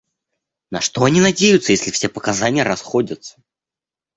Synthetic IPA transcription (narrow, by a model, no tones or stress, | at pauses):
nɐʂt̪o̞ɐnʲinɐdʲejʊt̪səjesʲlʲɪfsʲe̞pəkɐzanʲɪjəɾɐsxo̞dʲət̪sə̥